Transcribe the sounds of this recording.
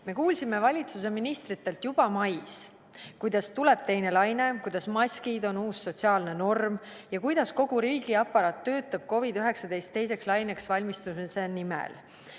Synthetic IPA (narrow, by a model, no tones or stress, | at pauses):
me̞kuːlsime̞vɑlʲit̪sus̬e̞minist̪rit̪ːˑe̞lt̪jub̥ɑmɑjs | kujd̪̥ɑst̪ule̞b̥t̪e̞jne̞lɑjne̞kujd̪̥ɑsmɑsʲkid̪o̞nuːsːo̞tsiɑːlne̞no̞rm | jɑkujd̪̥ɑsko̞ɡ̥uɾiːɡ̥iɑpːɑɾɑːt̪ːø̞ːt̪ːˑɑb̥̚ko̞vid̪̥yɦe̞ksɑd̪e̞jst̪ːe̞jse̞kslɑjne̞ksvɑlʲmist̪usisenimḛl